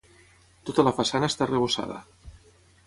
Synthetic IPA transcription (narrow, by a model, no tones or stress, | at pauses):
t̪ot̪alafasanaest̪areβosa̰ðə̰